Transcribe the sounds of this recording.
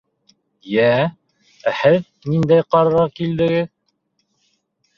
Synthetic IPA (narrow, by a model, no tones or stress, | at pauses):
jæ | æhɘð | nind̪æjqɑɾɤɾɑkild̪ɘ̆ɡɘð